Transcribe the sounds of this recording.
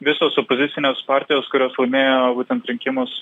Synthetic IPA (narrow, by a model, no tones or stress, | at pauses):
ʋʲɪsoːsopozʲɪt̪sʲɪnʲeːspɑˑɾʲt̪ʲɪjoːskʊɾʲoːslˠɐɪmʲeːjobuːt̪ʲɛnt̪ɾʲɪŋʲkʲɪmʊs